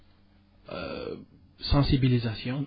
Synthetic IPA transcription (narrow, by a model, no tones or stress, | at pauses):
ø̰ | sɑ̃sibilizasjɔ̃